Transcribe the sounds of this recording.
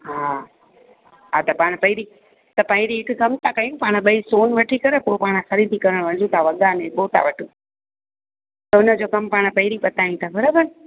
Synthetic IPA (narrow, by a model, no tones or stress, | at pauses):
ɦa | ɦat̪ɐpaːɽ̃pɐɦɪɾi | t̪ɐpɐ̃ɪ̃ɾiɦɪkkɐmt̪ʰakɐjũpaːɽ̃ɓɐisoːnʋɐʈʰikɐɾepopaːɽ̃xɐɾiːd̪ʱikɐɾəɽ̃ʋɐ̃d͡ʑʱũt̪ʰaʋɐɡaneɓoːt̪a̰ʋɐʈʰũ | t̪ɐʊnə̆d͡ʑoːkɐmpaːɽ̃pɐɦɪɾipɐt̪aːjĩt̪ʰabʱɐɾabən